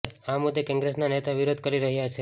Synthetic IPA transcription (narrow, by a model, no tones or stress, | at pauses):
amud̪ʱːjekɔ̃ŋɡɾesnanet̪ʰaʋiɾod̪ʱkəɾiɾəɦjat͡ʃʰe